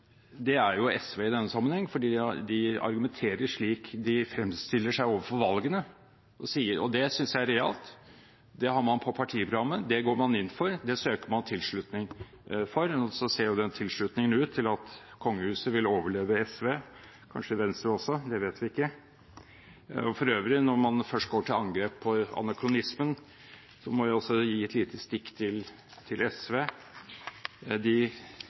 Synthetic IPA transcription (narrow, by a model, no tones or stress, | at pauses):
d̪ɛæɾjʊɛsʋeːɪd̪ɛnːəsɑmːənhɛŋːfɔɖiːd̪d̪ɪɑ̰ɾɡʉmɛnt̪ʰeːɾəʂɭiːkd̪ɪfɾɛmːst̪ɪlːəʂæɪoːʋəfɔɾʋɑlɡənə | ʔɔsiːəɾɔ̰d̪ɛsʏnsjæɪæɾɛɑ̰lt̪ | d̪ɛɦɑɾmɑnpʰɔpʰɑʈʰiːəpʰɾʊɡɑmːəd̪ɛɡoːɾmɑnɪnːfɔɾd̪ɛsøːkəɾmɑnt̪ʰɪlʂɭʉt̪nɪŋ | fɔɾɔsɔseːɾjʊd̪ɛnt̪ʰɪlʂɭʉt̪nɪŋənʉːt̪ʰːɪlɑt̪kʰɔŋːəhʉːsəʋɪloːʋəɭeːʋəɛsʋeː | kʰɑ̰nʂəɪʋɛnst̪ɾəɔsːɔd̪ɛʋeːt̪ʋɪɪkːə | ɔfɔɾøːʋɾɪnɔɾmɑnfœʂʈ̚ɡoːʈʰɪlɑŋɡɾeːpʰːɔɑ̰nɑkʰɾʊnɪsmən | sɔmɔʋɪɔsːɔjiːɛt̪liːt̪ʰəst̪ɪkːt̪ʰɪl | t̪ʰɪlɛsʋeː | d̪ɪ